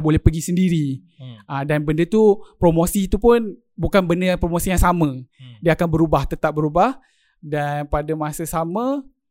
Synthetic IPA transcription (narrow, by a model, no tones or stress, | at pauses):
bolɛhpəɡisəndiɾi | ədanbəndət̪upɾomosiːt̪upʊn | bukanbəndəapɾomosijaŋsamə̃diəakanbəɾubaht̪ət̪ap̚bəɾubah | danpadamasəsamə̃